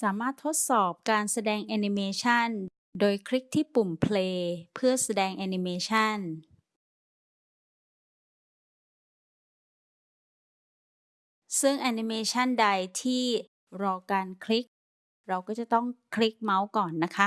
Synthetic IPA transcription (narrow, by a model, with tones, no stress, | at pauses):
saː˩˦maː˥˩t̪ʰːo˦˥t̪̚sɔː˨˩p̚kaː˧nsa˧dɛː˧ŋʔɛː˧ni˧meː˧t͡ɕʰa˥˩n | doː˧jkʰɾi˦˥k̚t̪ʰiː˥˩pu˨˩mpʰleː˧pʰɯ˥˩ɐsa˧dɛː˧ŋʔɛː˧ni˧meː˧t͡ɕʰa˥˩n | sɯ˥˩ŋʔa˧ni˧meː˧t͡ɕʰa˥˩nda˧jt̪ʰiː˥˩ | ɾɔː˧kaː˧nkʰli˦˥k̚ | ɾa˧wkɔː˥˩t͡ɕa˨˩t̪ɔ˥˩ŋkʰli˦˥k̚ma˦˥wkɔː˨˩nːa˦˥kʰa˦˥